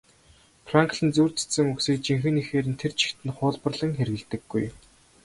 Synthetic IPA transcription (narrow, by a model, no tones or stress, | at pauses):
fraŋk̆ɮɘ̆nt͡suːr̥t̪ɘ̥̆sɘ̆ŋɵksiːk̚t͡ɕiŋxɘ̆nixeːɾɘ̆nt̪ʰert͡ɕʰi̥xt̪ɘ̆nχʊːɮpə̆rɮə̆ŋxeɾɣɘ̆ɮt̪ɘ̆ɡːuj